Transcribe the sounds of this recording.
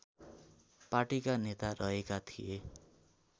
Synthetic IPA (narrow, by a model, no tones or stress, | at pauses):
paʈikanet̪arʌɦekat̪ʰije